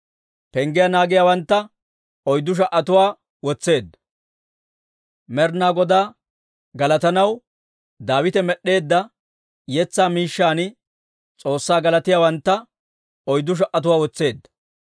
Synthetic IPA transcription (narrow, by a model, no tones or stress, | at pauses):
pɛŋɡɪjɐnaːɡɪjaːwɐnt̪ːɐ | ɔjd̪ːʊʃ̬ɐʔɐt̪ʊwaː | wɔt͡sːe̞ːd̪ːɐ | mɛɾnaːɡɔd̪aː | ɡɐlɐt̪ɐnɐw | d̪aːwɪt̪ɛmɛɗːe̞ːd̪ːɐ | jɛt͡sːaːmiːʃːaːnɪ | t͡sʼo̞ːsːaːɡɐlɐt̪ɪjaːwɐnt̪ːɐ | ɔjd̪ːʊʃ̬ɐʔɐt̪̬ʊwaːwɔt͡sːe̞ːd̪ːɐ̥